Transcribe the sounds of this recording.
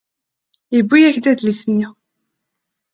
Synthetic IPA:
ibːijæçd̪æd̪lisənːi

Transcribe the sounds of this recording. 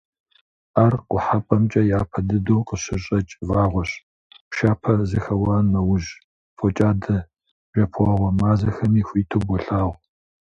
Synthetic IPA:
arqʷʊħapʼɐmt͡ʃʼɐjaːpʰɐdɨdoːqəɕɪɕʼɐt͡ʃʼvaːʁʷɔɕ | ʃaːpʰɐzɨxɐwɑːnɐwʊʒ | fɔt͡ʃʼaːdɐ | ʒɐpʰʷaːʁʷɔmaːzɐxɐmiːxʷiːtʰobɔɬaːʁʷ

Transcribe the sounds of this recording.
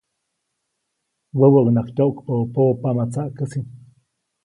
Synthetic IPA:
wewəɡnakt̪oʔkpəpopamat͡saʔkəsin

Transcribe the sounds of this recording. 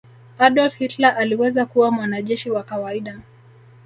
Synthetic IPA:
aɗɔlfhitlaʔaliwɛzakuwamwanaʄɛʃiwakawaiɗa

